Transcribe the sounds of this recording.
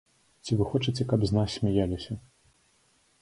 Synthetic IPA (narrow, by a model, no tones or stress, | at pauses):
t͡sʲivɨxɔt͡ʂɨt͡sʲɛkabznasʲsʲmʲijalʲisʲɐ